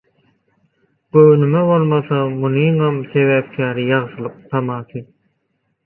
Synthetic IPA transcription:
ɡ̥øwnymeβolˠmɑθɑmuniɴɑmθe̞βæːp̚kʲʰæːɾijɑʁsɯlˠɯq̚t̪ʰɑmɑːt̪ʰɯ

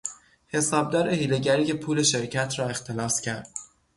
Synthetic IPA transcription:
he̞sɒːb̚d̪ɒːɾe̞hiːle̞ɟæɾiːce̞pʰuːle̞ʃe̞ɾcʰæt̪ʰɾɒːe̞xt̪ʰe̞lɒːscʰæɾd̪̥

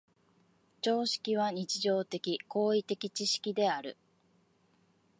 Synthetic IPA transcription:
t͡ɕo̞ːɕi̥kʲiβ̞aɲ̟it͡ɕiʑo̞ːt̪e̞kʲiko̞ːit̪e̞kʲit͡ɕiɕi̥kʲid̪e̞aɾɯ̟̰

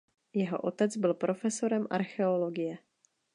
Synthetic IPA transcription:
jɛɦo̞̰ʔot̪ɛd͡zbɪlpɾʔo̞fɛso̞ɾɛmʔa̰ɾxɛolo̞ɡɪjɛ

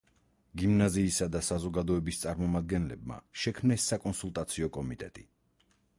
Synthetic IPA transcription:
ɡimnaziːsad̪asazɔɡad̪ɔɛbist̪sʼaɾmɔmad̪̚ɡɛnlɛbma̰ʃɛkʰmnɛsːakʼɔnsulˠt̪ʼat̪sʰiɔkʼɔmit̪ʼɛ̰t̪ʼi

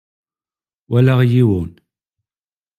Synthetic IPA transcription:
wælaʁjiwun

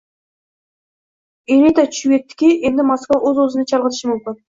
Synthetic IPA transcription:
elʲejt̪ɑt͡ʃʰujʲet̪̚ːɪ̥kʲeʔend̪ɪmaskvaʔɵzwɵzɪnɑt͡ʃʰɑlˠʁət̪ʰə̥ʃəmʊmkʲɪn

